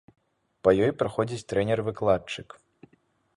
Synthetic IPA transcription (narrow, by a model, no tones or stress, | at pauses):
pɐjɔjpɾaxɔd͡zʲit͡sʲt̪ɾɛnʲɛrvɨklˠat͡ʂɨk